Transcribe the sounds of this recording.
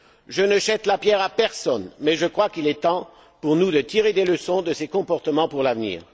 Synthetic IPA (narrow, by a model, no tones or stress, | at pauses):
ʒənəʃɛt̪lapjɛʁapɛʁsɔnmɛʒəkχwakilɛt̪ɑ̃ | puʁnud̪ət̪iʁed̪eləsɔ̃d̪əsekɔ̃pɔʁt̪əmɑ̃puʁlavnḭːʁ